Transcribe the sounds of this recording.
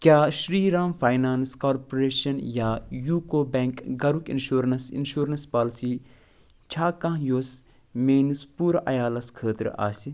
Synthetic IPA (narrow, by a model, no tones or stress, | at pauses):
kʲjaːʃɾiːɾaːmfʰaːjnaːnskaːɾpoɾeːʃɐnjaːjuːkoːbeŋkɡɐɾukḭnʃuːɾɐnsḭnʃuːɾɐnspaːlsiː | t͡ʃʰaːkɐ̃ɦjoːs | meːnispuːɾʔɐ̰jaːlɐskʰəːt̪ɾ̰a̰ːsi